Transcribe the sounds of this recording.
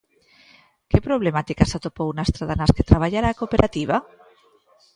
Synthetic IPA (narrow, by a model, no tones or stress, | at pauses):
kepɾoβ̞lemat̪ikasat̪opownast̪ɾaðanasket̪ɾaβaʎaɾaːkopeɾʔat̪iβ̞a